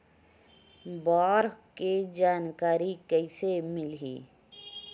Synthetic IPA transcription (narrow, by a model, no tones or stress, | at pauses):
bɔːɾked͡ʒaːnkaːɾikəɪsemɪlɦḭː